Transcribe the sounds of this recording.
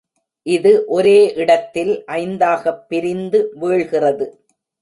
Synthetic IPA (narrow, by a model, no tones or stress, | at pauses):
ʔɪðɯʔɔɾeːʔɪɽɐt̪ːɪlʔɐɪnd̪aːɣɐpːɪɾɪnd̪ɯʋeːɭɣɪrɐðɯ